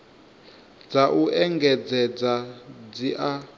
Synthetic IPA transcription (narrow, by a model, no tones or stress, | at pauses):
d͡zaʔuʔɛŋɡɛd͡zɛd͡zad͡ziʔa